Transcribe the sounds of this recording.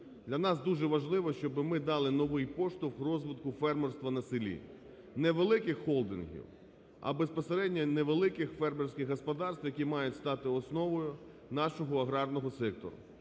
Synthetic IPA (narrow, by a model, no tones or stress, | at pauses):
d̪lʲɐnɑsd̪uʒɛʋɐʒlˠɪʋɔʃt͡ʃɔbɪmɪd̪ɑlˠɪnɔʋɪjpɔʃt̪ʊxrɔzʋɪt̪kʊfɛrmɛrst̪ʋɐnɐsɪlʲḭ | nɛʋelˠɪkɪxːɔlˠd̪ɪ̰nɦʲḭw | ɐ̰bespɔseɾɛdʲnʲɐneʋelˠɪkɪxfɛrmersʲkʲɪɣɦɔspɔd̪ɑrst̪ʋwjɐkʲimɑjʊtʲst̪ɑt̪ɪɔsnɔʋɔjʊ | nɑʃɔɦɔɐɦɾɑrnɔɦɔsɛk̚t̪ɔ̰ɾʊ̰